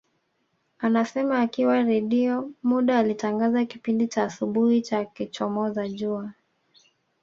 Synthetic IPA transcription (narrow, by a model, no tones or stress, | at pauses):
anasɛmaːkiwaɾɛɗiɔmuɗaːlitaŋɡazakipindit͡ʃaːsuɓuhit͡ʃakit͡ʃɔmɔzaʄua